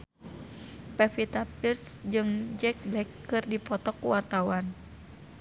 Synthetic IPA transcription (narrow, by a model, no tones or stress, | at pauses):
pɛfit̪apirt̪sd͡ʒɨŋd͡ʒɛk̚blɛkːɨrdipɔt̪ɔkːuwart̪awan